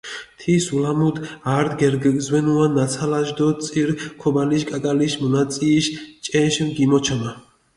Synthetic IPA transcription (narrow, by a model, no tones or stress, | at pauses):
t̪ʰisulamud̪aɾd̪ɡɛɾɡɡzwɛnuanat̪sʰalaʒd̪ɔt̪sʼiɾkʰɔbaliʃkʼakʼaliʃmɔnat̪sʼiːʃt͡ʃʼɛʃmɡimɔt͡ʃʰama